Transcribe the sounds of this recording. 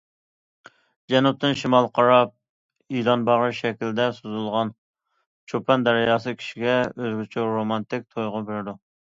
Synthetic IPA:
d͡ʒɛnup̚t̪ɨnʃimɑlˠqʰɑɾɑp̚ | ilˠɑnbɑʁɾʃɛkʲild̪ɛsuzulˠʁɑn | t͡ʃʰopʰɛnd̪ɛɾɪjɑːs̬ɨkʲʰi̥ʃiɡʲɛøzɡʲyt͡ʃʰyɾomɑnt̪ɪk̚ʲt̪ʰojʁʊbeɾd̪u

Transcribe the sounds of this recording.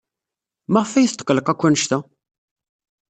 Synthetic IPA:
maʁəfæjəθt̪ːˤə̥qːləqækʷːænəʃt̪æ

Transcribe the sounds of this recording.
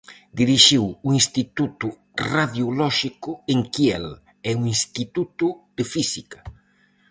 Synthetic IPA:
d̪iɾiʃiwuinst̪it̪ut̪ʊ | raðjulɔʃikʊeŋkiɛ̰l | ɛuinst̪it̪ut̪ʊd̪̥ɪfisikḁ

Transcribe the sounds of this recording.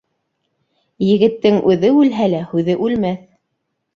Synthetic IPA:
jɘ̆ɡɘ̆t̪ːɘŋʔʉðɘʉlɦælæhʉðɘʔʉlmæθ

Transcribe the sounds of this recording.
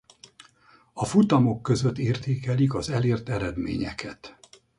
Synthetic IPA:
ɒfut̪ɒmo̞kːø̞zøt̪ːeːrt̪eːkɛlikɒzɛleːrt̪ɛɾɛd̪mḛːɲɛ̰kʰɛt̪

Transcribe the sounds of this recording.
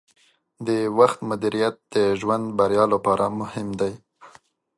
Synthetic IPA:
d̪əwaxt̪mʊd̪iɾijat̪̚d̪̥əʒwand̪baɾjɑlapɑɾʔamʊhɪmd̪aj

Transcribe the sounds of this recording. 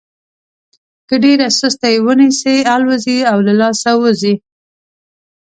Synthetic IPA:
kəɖeɾasəst̪ajewənisealwəziawlalɑsawəzi

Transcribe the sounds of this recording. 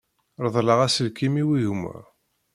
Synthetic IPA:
ɾˤəðˤləʁæsəɾkimiwiɣumæ̰

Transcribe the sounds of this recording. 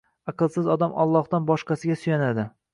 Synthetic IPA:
ɑqɨlˠsɪzɒd̪amʔɒ̰lˠːɒhd̪anbɒʃqɑsɪɡʲasʊjanad̪ɪ

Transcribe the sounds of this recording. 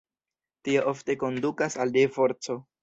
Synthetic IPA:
tio̞ʔofte̞ko̞ndukasaldefo̞ɾt͡so̞

